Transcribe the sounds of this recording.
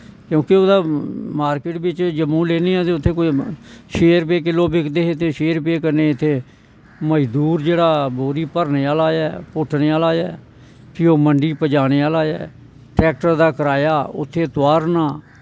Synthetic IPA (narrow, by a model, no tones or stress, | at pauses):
kjõːkɪoːd̪aːmaːɾkeːʈbɪt͡ʃd͡ʒəmːũːleːneːaːt̪eːʊt̪ʰːeːkoʃeːɾpeːk̬ɪlːoːbɪkʰd̪eːɦet̪ːeːʃeːɾpeːkəɾneːɪt̪ʰːeː | məd͡ʒd̪uːɾd͡ʒeːɽaːboːɾiːpəɾneːaːlaːɛːpʊʈʰneːaːlaːɛː | kɪoːməɳɖiːpəd͡ʒaːñeːaːlaːɛ̰ː | ʈɾɛːk̚ʈəɾd̪aːkəɾaːjaːʊ̰t̪ʰːeːt̪ʊaːɾnaː